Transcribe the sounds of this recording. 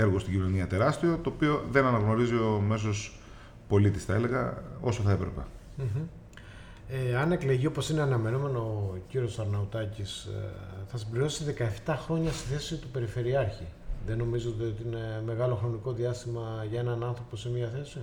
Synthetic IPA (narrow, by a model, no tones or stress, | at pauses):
e̞ɾɣost̪iɟino̞niɐt̪e̞ɾɐst̪io̞t̪o̞ːpio̞ðe̞nɐnɐɣno̞ɾizio̞me̞s̬o̞s | po̞lit̪isθɐele̞ɣɐ̰o̞soθɐepɾepḛ | m̩ç̩ | eɐne̞kleʝio̞po̞sine̞ɐnɐme̞nome̞nociɾio̞sɐɾnɐut̪ɐcisθɐsimbliɾo̞siðe̞kɐeft̪ɐxɾo̞ɲɐst̪iθesit̪upe̞ɾife̞ɾiɐɾçiðe̞no̞mizoot̪iot̪iine̞me̞ɣɐlo̞xɾo̞niko̞ðiɐst̪imɐʝɐe̞nɐnɐnθɾo̞posemiɐθe̞si